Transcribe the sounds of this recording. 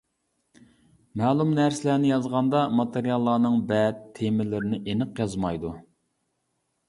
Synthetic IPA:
mɛːlˠumnæɾsɪlænɪjɑzʁɑnd̪ɑmɑt̪eɾijɑlˠːɑːnɨŋbɛt̪ʰːemɪlɪɾɪnɪʔenɨqjɑzmɑjd̪u

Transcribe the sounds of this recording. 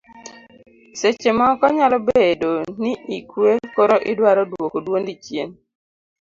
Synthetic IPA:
set͡ʃemɔkɔɲalɔbedoniʔikwekoɾoʔɪdwaɾɔdwokodwondit͡ʃjen

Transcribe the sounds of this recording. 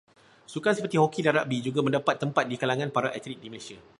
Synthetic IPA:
sukansəpərt̪ihokidanɾa̰ʔbid͡ʒuɡamə̃ndapat̪ːəmpat̪̚dikalaŋãnpaɾaʔɛt̪ɾik̚diməlasia

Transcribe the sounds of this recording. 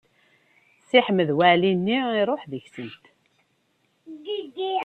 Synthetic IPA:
siħməðwæʕlinːiiɾˤoħðəçsənt̪ | ɡid̪i

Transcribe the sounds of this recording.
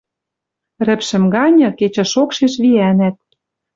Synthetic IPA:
rɘ̆pʃɘ̆mɣɑnʲɤ̆ket͡ɕɤ̆ʃokʃeʃβiænæt̪̚

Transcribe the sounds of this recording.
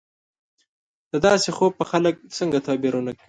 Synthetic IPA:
d̪̥əd̪ɑsexob̚pəxalək̚səŋɡat̪ɑbiɾunakɽi

